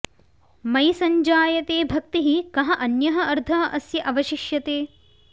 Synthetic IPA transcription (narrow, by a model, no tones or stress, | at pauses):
mɐjsɐɲd͡ʒaːjɐt̪eːbʱɐk̚t̪iɦikɐɦɐʔɐnjɐɦɐɐɾd̪ʱɐɦɐʔɐsjɐʔɐʋɐʃiʃjɐt̪eː